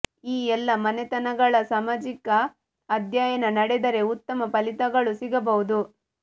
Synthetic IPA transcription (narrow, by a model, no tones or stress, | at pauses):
iːɛlːɐmɐnet̪ɐnɐɡɐɭɐsaːmaːd͡ʒikɐː | d̪jaːjɐnɐnɐɽed̪ɐɾe̞ut̪ːɐmɐpɐlit̪ɐɡɐɭusiɡɐbɐɦud̪u